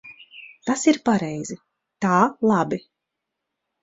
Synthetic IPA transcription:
t̪asiɾpaɾɛjz̥i | t̪aːlˠabi

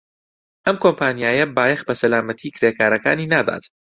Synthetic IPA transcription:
ʔɐmkʰompʰaːnijaːjɐbaːjɛxbɐsɐlaːmɐt̪ʰiːkʰɾeːkʰaːɾɐka̰ːniːnaːd̪a̰ːt̪

